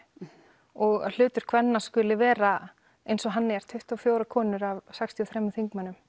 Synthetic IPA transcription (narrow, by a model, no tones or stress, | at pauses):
ɔɣal̥ʏːt̪ʏɾ̥kʰvɛnːaskʏːlɪvɛːɾa | ejnsɔɦanːɪɛɾ̥t̪ʰʏht̪awfjoːwɾakʰɔːnʏɾavsɛkst̪ʰiɔθɾɛmːʏθiŋkmanʏm